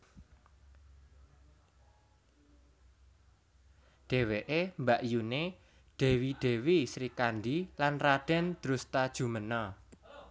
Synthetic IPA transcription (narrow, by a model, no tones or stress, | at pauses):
ɖ̥e̤weʔembaʔjune | ɖ̥e̤wiɖ̥e̤wisɾikanɖilanraɖ̥ɛ̤nd̪̥ɾust̪ad̥ʒ̥ṳmənɔ